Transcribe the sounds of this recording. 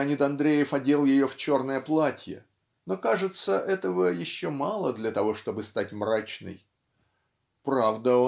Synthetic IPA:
ɐnʲit̪ɐnd̪ɾʲejɪfɐdʲe̞lˠjɪjo̞ft͡ɕo̞rnəjəplˠatʲjə̰ | no̞kaʐɨt̪səʔɛt̪əvəjɪɕːomalˠəd̪lʲɐt̪ɐvo̞ʂt̪o̞bɨst̪atʲmrat͡ɕnɨ̰j | pɾavd̪əo

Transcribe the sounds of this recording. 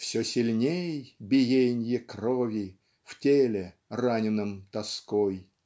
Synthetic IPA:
fsʲɔsʲɪlʲnʲejbʲɪjenʲjəkrɔvʲɪ | ftʲelʲɪ | ranʲɪnɨmt̪ɐskɔj

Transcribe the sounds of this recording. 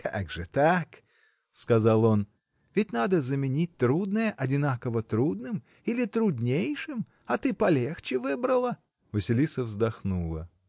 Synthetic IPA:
kʰa̰ɡʐɨt̪ak | skɐzalˠo̞n | vʲɪtʲnad̪əzəmʲɪnʲit̚ʲt̪ɾud̪nəjəʔɐdʲɪnakəvət̪ɾud̪nɨm | ilʲɪt̪ɾʊdʲnʲejʂɨm | ɐt̪ɨpɐlʲext͡ɕɪvɨbɾəlˠə | vəsʲɪlʲisəvzd̪ɐxnulˠə̰

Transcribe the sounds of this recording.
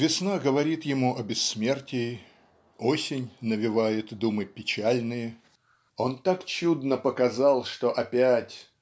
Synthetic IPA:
vʲɪsnaɡəvɐɾʲit̪jɪmuʔɐbʲɪsːmʲe̞rtʲɪ | osʲɪnʲnəvʲɪvajɪt̪d̪umɨpʲɪt͡ɕælʲnɨjə | o̞nt̪akt͡ɕud̪nəpəkɐzɑlˠʂt̪oʔɐpʲætʲ

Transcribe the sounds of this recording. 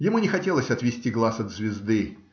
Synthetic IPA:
jɪmunʲɪxɐtʲe̞lˠəsʲɐt̪vʲɪsʲtʲiɡlˠasɐd̪zvʲɪzd̪ɨ

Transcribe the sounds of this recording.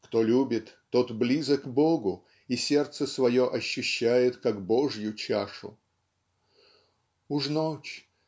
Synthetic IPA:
kt̪olʲubʲɪt̪ːo̞t̪blʲizəkboɡʊ | isʲe̞rt̪səsvɐjo̞ʔɐɕːʊɕːæjɪt̪kaɡboʐjʊt͡ɕaʂʊ̰ | uʐnot͡ɕ

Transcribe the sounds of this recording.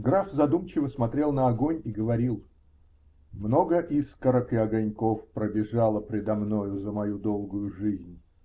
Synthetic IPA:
ɡɾafzɐd̪umt͡ɕɪvəsmɐt̪ɾʲe̞lˠnəɐɡo̞nʲiɡəvɐɾʲilˠ | mno̞ɡəʔiskəɾəkɪɐɡɐnʲko̞fpɾəbʲɪʐalˠəpɾʲɪd̪ɐmno̞jʊzəmɐjud̪o̞lˠɡʊjʊʐɨzʲnʲ

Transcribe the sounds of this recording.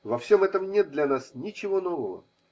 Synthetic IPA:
vɐfsʲo̞mɛt̪əmnʲet̪̚d̪lʲɐnasnʲɪt͡ɕɪvo̞no̞vəvə̰

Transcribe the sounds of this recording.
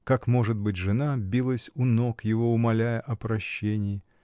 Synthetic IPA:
kakmo̞ʐɨt̪̚bɨt̬ʲʐɨnabʲilˠəsʲʊno̞kjɪvo̞ʊmɐlʲæjəʔɐpɾɐɕːenʲɪɪ

